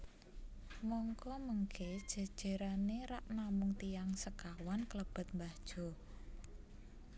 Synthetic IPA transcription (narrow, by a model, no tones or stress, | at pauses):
mɔŋkɔməŋked̥ʒ̥a̤d̥ʒ̥e̤ɾaneɾaʔnamʊŋt̪ijaŋsəkawankələb̥ə̤t̪̚mbad̥ʒ̥ɔ̤